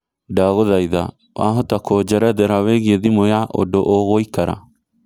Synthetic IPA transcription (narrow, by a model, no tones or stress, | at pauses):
daɣoðaiða̰ | wa̰ɦotakʰɔd͡ʒɛɾɛðɛɾaweɣieðimojaʔo̰doʔoɣoikaɾa̰